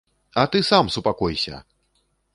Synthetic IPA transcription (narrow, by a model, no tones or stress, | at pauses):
ɐt̪ɨsamsupakɔjsʲɐ̰